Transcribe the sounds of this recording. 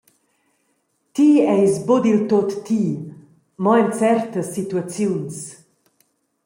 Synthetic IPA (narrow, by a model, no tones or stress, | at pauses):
t̪iɛjsbod̪ilt̪ot̪ːi | mɔɛnt͡sɛrt̪əsːit̪uat͡sjuns